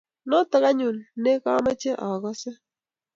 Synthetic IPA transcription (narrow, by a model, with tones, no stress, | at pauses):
nɔ˦tə˦ka˦ɲu˨nːe˦kɔ˦ma˦t͡ʃe˦ʔɔ˨kɔ˦sɪ˦